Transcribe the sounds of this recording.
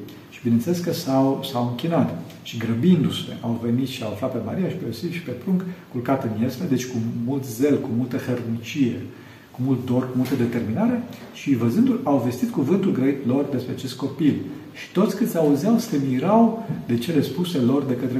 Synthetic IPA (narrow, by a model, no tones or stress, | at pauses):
ʃi̥binenseleskəsawsawɨŋkʲinat̪ | ʃiɡɾəbind̪use̞̰ʔawve̞nit̪ʃiawaflat̪̚pe̞ma̰ɾijaʃi̥peosilʃi̥pe̞pɾuŋkkulkat̪ɨnjelsled̪et͡ʃʲkumult̪ze̞lkumult̪əxernit͡ʃije̞ | kumult̪̚d̪o̞rkumult̪əd̪e̞t̪e̞rminaɾe̞ | ʃivəzɨnd̪ulawve̞st̪it̪̚kuvɨnt̪ulɡɾəit̪lo̞rd̪e̞spɾeat͡ʃe̞st̪̚ko̞pilʃi̥t̪ot̪sʲkɨt̪sʲauzeawsəmiɾawd̪e̞t͡ʃe̞le̞spuse̞lo̞rd̪e̞kət̪ɾe